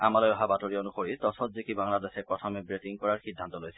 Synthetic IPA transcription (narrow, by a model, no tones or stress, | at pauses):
a̰malojɔɦabatoɹionuxoɹitɔsɔtzikibaŋladesɛpɹɔtʰɔmɛbɹetiŋkɔɹaɹxidʱːantɔlojsɛ